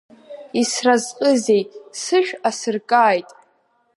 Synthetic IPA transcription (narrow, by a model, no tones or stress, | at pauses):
israzqʼɨze̞jtʼsɨʃᶣasɨrkʼaːjtʼ